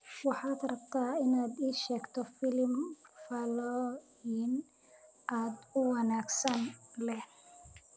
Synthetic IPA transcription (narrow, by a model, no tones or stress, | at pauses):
wɑħɑːd̪rɐb̚t̪ʰaːɪnaːd̪iːʃɛːɡt̪ʰɔfɪlmfɐlɔ | in | ʔaːd̪ʊwɑnaːɡsɐnlɛ